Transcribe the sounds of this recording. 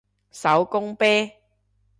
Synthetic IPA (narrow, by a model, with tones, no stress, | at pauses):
sɐ˨˥wkʊ˥ŋpɛː˥